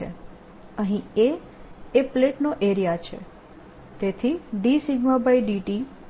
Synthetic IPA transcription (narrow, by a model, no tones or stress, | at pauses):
ḛ | əɦĩe | epleʈnoʔeɾijat͡ʃʰḛ | t̪et̪ʰiɖisiɡmabaiɖiʈi